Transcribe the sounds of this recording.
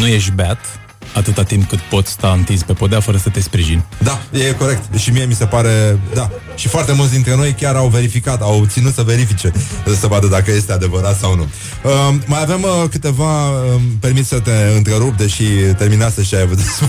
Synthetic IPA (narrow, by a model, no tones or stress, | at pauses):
nuje̞ʃt̪beat̪ | at̪ɨt̪at̪imp̚kɨt̪po̞t̪sʲst̪aɨnt̪izpe̞pod̪eafəɾəsət̪e̞spɾiʒinʲd̪ajeko̞ɾe̞k̚t̪ʃimie̞mise̞paɾe̞d̪a | ʃifoart̪e̞mult̪s̬ʲd̪int̪ɾe̞no̞jkʲaɾawve̞ɾifikat̪awt̪sinut̪səve̞ɾifit͡ʃe̞səvad̪əd̪akəje̞st̪e̞ad̪e̞vəɾat̪sawnṵ | əːajavemkɨt̪e̞vaəpe̞rmit̪sʲsət̪e̞ɨnt̪ɾeɾup̚d̪eʃit̪e̞rminasəʃiajavud̪es